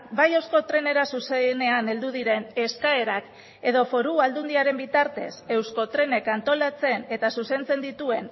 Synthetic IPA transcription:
bajeowsko̞t̪ɾe̞ne̞ɾasusene̞ane̞ld̪uðiɾe̞ne̞skae̞ɾak | e̞ðo̞fo̞ɾuald̪und̪iaɾe̞mbit̪aɾt̪e̞̰se̞wsko̞t̪ɾe̞ne̞kant̪o̞lat͡se̞ne̞t̪asuse̞nt͡se̞nd̪it̪ue̞n

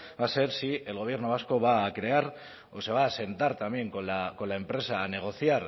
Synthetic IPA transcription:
base̞ɾsie̞lɣoβje̞ɾno̞β̞asko̞βaːkɾe̞aɾ | ose̞β̞aːse̞nt̪aɾt̪ambje̞ŋkolako̞laempɾe̞saːne̞ɣ̞o̞θjaɾ

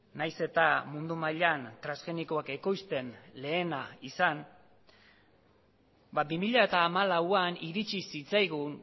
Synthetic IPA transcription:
najse̞t̪amund̪umaʎant̪ɾasɣe̞niko̞ake̞ko̞jst̪e̞nle̞ːnaisan | babimiʎaet̪aːmalawaniɾit͡ʃisit͡sajɣun

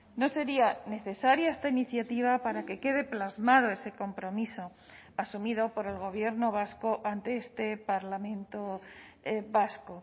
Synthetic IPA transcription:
no̞se̞ɾiane̞θe̞saɾjaest̪ainiθjat̪iβ̞apaɾake̞ke̞ð̞e̞plazmað̞o̞e̞se̞ko̞mpɾo̞miso̞ | asumiðo̞po̞ɾe̞lɣ̞o̞β̞je̞ɾnoβ̞asko̞ʔant̪eest̪e̞paɾlamẽ̞nt̪o | βasko̞

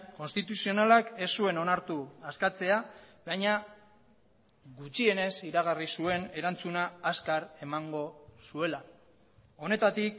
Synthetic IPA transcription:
ko̞nst̪it̪usio̞nalake̞sːue̞no̞naɾt̪uaskat͡se̞abajɲa | ɡut͡ʃie̞ne̞siɾaɣ̞arisue̞ne̞ɾant͡sunaːskaɾe̞maŋɡo̞sue̞la | o̞ne̞t̪at̪ik

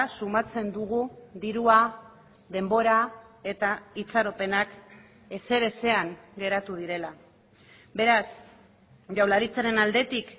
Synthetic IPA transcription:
sumat͡se̞nd̪uɣud̪iɾua | ðe̞mbo̞ɾae̞t̪ait͡saɾo̞pe̞nak | e̞se̞ɾe̞se̞aŋɡe̞ɾat̪uð̞iɾe̞la | be̞ɾas | ʝawlaɾit͡saɾe̞nald̪e̞t̪ik

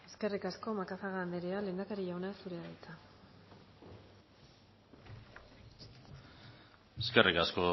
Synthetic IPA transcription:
e̞ske̞rikasko̞makasaɣand̪e̞ɾeale̞ːnd̪akaɾiʝawnasuɾeaðajt͡sa | eskerikasko

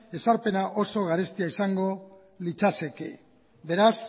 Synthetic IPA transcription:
e̞saɾpe̞naʔo̞so̞ɣ̞aɾest̪iaisaŋɡo̞ | lit͡ʃase̞ke | be̞ɾas

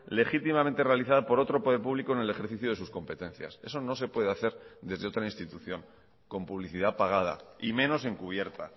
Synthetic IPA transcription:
le̞xit̪imament̪erealiθaðapo̞ɾo̞t̪ɾo̞po̞ðe̞ɾpuβlikone̞le̞xe̞ɾθiθjoð̞esusko̞mpe̞t̪e̞n̟θja̰se̞̰so̞no̞s̬e̞pwe̞ð̞eaθe̞ɾðe̞zðeo̞t̪ɾainst̪it̪uθjo̞ŋ | ko̞mpuβ̞liθið̞apaɣ̞að̞a̰imẽ̞no̞s̬e̞ŋkuβ̞je̞ɾt̪a

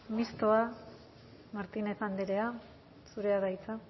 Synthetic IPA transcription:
mist̪oa | maɾt̪ine̞θand̪eɾea | suɾe̞aðajt͡sa

